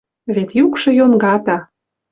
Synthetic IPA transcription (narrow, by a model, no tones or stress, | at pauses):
βet̪jukʃɤ̆jonɡɑt̪ɑ